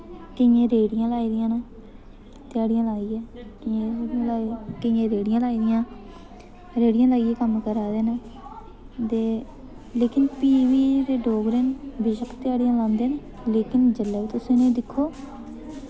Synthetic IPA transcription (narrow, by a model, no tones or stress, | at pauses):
kɪjẽːɾeːɽɪjãːlaːiːd̪ɪjãːneː | t̪ɪjaːɽɪjãːlaːiːɛːkẽeːɽiãːlaːkɪjẽːɾeːɽɪjãːlaːiːd̪ɪjãː | ɾeːɽɪjãːlaːijɛːkəmkəɾaːd̪eːneː | t̪eː | leːkɪnpiːʋiːd̪eːɖoːɡɾeːnbɪʃəkʰt̪ɪjaːɽɪjãːlãːnd̪eːneː | leːkɪnd͡ʒəlːɛːbiːt̪ʊsĩːnẽːd̪ɪkʰːoː